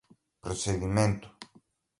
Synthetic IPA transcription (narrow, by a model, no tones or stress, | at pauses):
pɾoseðimẽnt̪ʊ̥